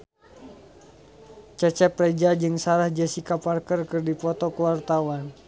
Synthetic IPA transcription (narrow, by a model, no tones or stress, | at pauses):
t͡ʃɛt͡ʃɛpːɾɛd͡ʒad͡ʒɨŋsaɾahd͡ʒəsikaparkərkərdipɔt̪ɔkəwart̪awan